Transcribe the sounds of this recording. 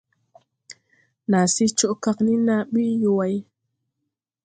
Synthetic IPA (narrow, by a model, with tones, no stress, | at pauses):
na˨si˦t͡ʃo˦ʔkɑ˦kni˦na˨ɓi˦jo˨wa˦j